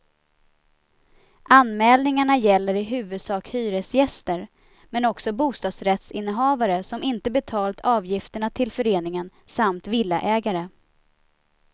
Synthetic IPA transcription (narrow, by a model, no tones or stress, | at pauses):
ʔanmɛːldnɪŋaɳajɛlːəɾɪɦʉ̟ːvɵd̪sɑːkhyːɾəsjɛst̪əɾ | mɛnɔksɔbuːst̪ɑːd̪sɾɛt̪sɪnːəɦɑːvaɾəsɔmɪnt̪əbɛt̪ʰɑːlt̪ʰɑːvjɪft̪əɳat̪ʰɪlfœɾeːnɪŋənsamt̪vɪlːaʔɛːɡaɾə